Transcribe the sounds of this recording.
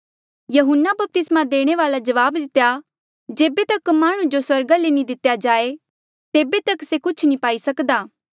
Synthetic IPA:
jɐɦʊnːabɐp̚t̪ɪsmãd̪eːɽ̃eʋaːlad͡ʒɐʋaːbd̪ɪt̪ja | d͡ʒeːbet̪ɐkmaːɽ̃ũd͡ʒoswɐɾɡalenĩd̪ɪt̪jad͡ʒaːe | t̪eːbet̪ɐksekʊt͡ʃʰnĩpaːisɐkd̪aː

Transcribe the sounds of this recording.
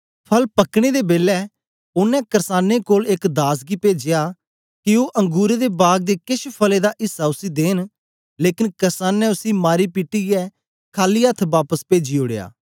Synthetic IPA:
pʰəlpəkɽ̃eːd̪eːbeːlɛː | ʊnɛ̃ːkəɾsaːneːkoːlɪkd̪aːs̬ɡipeːd͡ʒɪjaː | kɪoːʔə̃ŋɡuːɾed̪eːbaːɡ̚d̪eːkɪʃpʰəleːd̪aːʔɪsːaːʊsiːd̪eːn | leːkɪnkəɾsaːnɛ̃ʊsiːmaːɾiːpiʈijɛː | kʰaːliːət̪ʰbaːpəspeːd͡ʒiʊɽeja̰ː

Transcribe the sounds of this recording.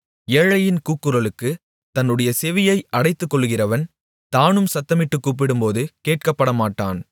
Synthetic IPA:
eːɻɐjɪnkuːkːɯɾɐɭɯkːɯ | t̪ɐnːɯɽɐjɐsɛʋɪjɐɪʔɐɽɐɪt̪ːɯkːɔɭːɯɣɪrɐʋɐn | t̪aːnɯmsɐt̪ːɐmɪʈːɯkːuːp̬ːɪɽɯmpoːðɯkeːʈ̚kɐpːɐɽɐmaːʈːaːn

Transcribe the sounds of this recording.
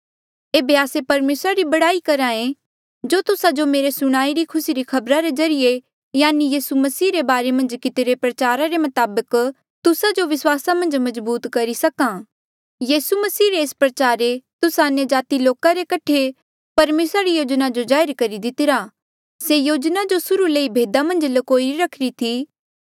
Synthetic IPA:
eːbeaːsepɐɾmeːsɾaɾibɐɽaːikɐɾãːẽ | d͡ʒoːt̪ʊsad͡ʒomeːɾesʊɽ̃aːiɾikʰʊsiɾikʰɐbɾaɾezɐɾije | jaːnijiːsumɐsiːɾebaːɾemɐ̃nd͡ʒkɪt̪eɾepɾɐt͡ʃaːɾaɾemɐt̪aːbək | t̪ʊsad͡ʒoʋɪswaːsamɐ̃nd͡ʒmɐzbuːt̪kɐɾisɐkã | jiːsumɐsiːɾeːspɾɐt͡ʃaːɾet̪ʊsaɐnjəd͡ʒaːt̪iloːkaɾekɐʈʰe | pɐɾmeːsɾaɾijoːd͡ʒnad͡ʒod͡ʒaːɪɾkɐɾid̪ɪt̪ɪɾa | sejoːd͡ʒnad͡ʒosʊɾuleibʱeːd̪amɐ̃nd͡ʒlɐkoːiiɾɐkʰɾit̪ʰiː

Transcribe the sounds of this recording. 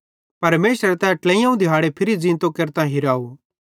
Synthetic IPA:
pɐɾmeːʃəɾt̪ãːɛ̃ʈlɛ̃ĩjãũd̪ʱɪɦaːɽepʰɪɾid͡zĩːnt̪okeɾt̪ãɦɪɾaːu

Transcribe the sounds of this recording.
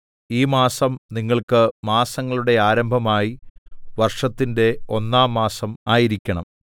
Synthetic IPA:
iːmaːsɐmniŋːɐɭkɨmaːsɐŋːɐɭuɽe̞aːɾɐmbʱɐmaːjiʋɐrʂɐt̪ːinde̞o̞nːaːmːaːsɐmaːjiɾikʲːɐɳɐ̰m

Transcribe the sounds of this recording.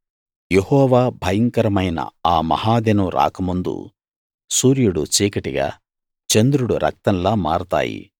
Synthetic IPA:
jehɔːʋaːbʱɐjɐŋkɐɾɐmɐjnɐ̰aːmɐ̰haːd̪enuɾa̰ːkɐmund̪ṵ | suːɾijuɽut͡ʃiːkɐʈiɡa̰ː | t͡ʃend̪ɾuɽuɾʔɐ̰k̚t̪ɐnlaːmaːɾut̪a̰ːjḭ

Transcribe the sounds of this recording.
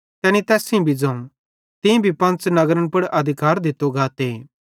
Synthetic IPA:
t̪ɛːnit̪ɛːsĩbʱid͡zɐ̃ːũ | t̪ɪ̃bʱipɐ̃nt͡snɐɡɾəñpɐɽʔɐd̪ʱɪkaːɾd̪ɪt̪ːoɡaːt̪e

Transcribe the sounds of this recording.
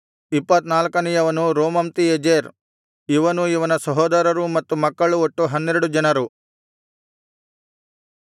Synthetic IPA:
ipːɐt̪naːlɐkɐnijɐʋɐnuɾoːmɐmt̪ied͡ʒeːɾ | iʋɐnuiʋɐnɐsɐɦɔːd̪ɐɾɐɾumɐt̪ːumɐkːɐɭuoʈːuɦɐnːeɾuɽud͡ʒɐnɐɾu

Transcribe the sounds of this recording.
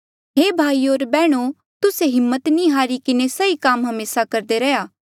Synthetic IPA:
ɦeːbʱaːioːɾbɛːɽ̃o | t̪ʊseɦɪmːət̪nĩɦaːɾikɪnesɐikaːmɦɐmeːsakɐɾd̪eɾɛjaː

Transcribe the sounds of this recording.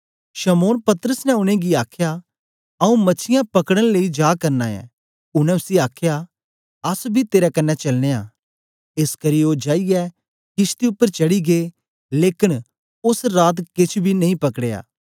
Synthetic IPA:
ʃɐmoːnpɐt̪əɾəsnɛʊnẽɡiaːkʰja | ɐũmɐːt͡ʃʰɪjãpɐkɽəɽ̃leid͡ʒaːkɐɾnaːɛ̰̃ | ʊñɛ̃ʊsiaːkʰja | ɐsbʱit̪eːɾɛkɐnːɛt͡ʃɐlñeːa̰ | ɪskɐɾiod͡ʒaːiɡɛ | kɪst̪iʊpːəɾt͡ʃɐɽiɡe | leːkɪn | ʊsɾaːt̪kɪt͡ʃʰbʱinɐĩpɐkɽea̰ː

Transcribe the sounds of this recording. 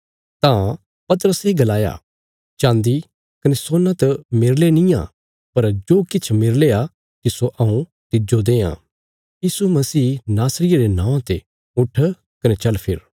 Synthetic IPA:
t̪ã | pɐt̪əɾəseɡɐlaːja̰ | t͡ʃãːnd̪i | kɐnesoːnãt̪ɐmɪɾlenĩjã̰ | pɐɾd͡ʒoːkɪt͡ʃʰmɪɾlea | kisoʔɐũ | t̪ɪd͡ʒod̪eːã̰ː | jiːsumɐsiːnaːsɾɪjaɾenãːãt̪e | ʊʈʰ | kɐnet͡ʃɐlpʰɪ̰ɾ

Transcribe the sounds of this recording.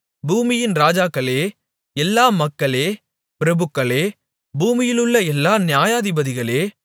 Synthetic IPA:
buːmɪjɪnɾaːd͡ʒaːkːɐɭeː | ɛlːaːmɐkːɐɭeː | pɪɾɐbɯkːɐɭeː | buːmɪjɪlɯɭːɐɛlːaːnjaːjaːðɪbɐðɪɣɐɭeː

